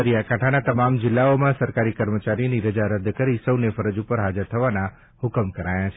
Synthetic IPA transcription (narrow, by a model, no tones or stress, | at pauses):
əɾijakãʈʰanat̪əmamd͡ʒɪlːaomãsəɾkaɾikəɾmət͡ʃaɾiniɾəd͡ʒaɾəd̪ʱːkəɾisəwnefəɾəd͡ʒupəɾɦad͡ʒəɾt̪ʰəʋana | hʊkəmkəɾajat͡ʃʰ